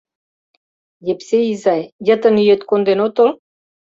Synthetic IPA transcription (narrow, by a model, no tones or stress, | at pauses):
jepseizɑjjə̆t̪ə̆nyjet̪kond̪enot̪ol